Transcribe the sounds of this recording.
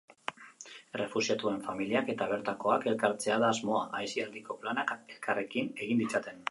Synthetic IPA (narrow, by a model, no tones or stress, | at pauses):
e̞re̞fusiat̪ue̞ɱfamiliake̞t̪aβ̞e̞ɾt̪ako̞ake̞lkaɾt͡se̞aðaːzmo̞aʔajsiald̪iko̞planake̞lkare̞kine̞ɣind̪it͡sat̪e̞n